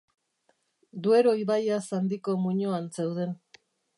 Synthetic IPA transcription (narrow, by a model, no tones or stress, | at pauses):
d̪ue̞ɾo̞iβajasand̪iko̞muɲoansewð̞e̞n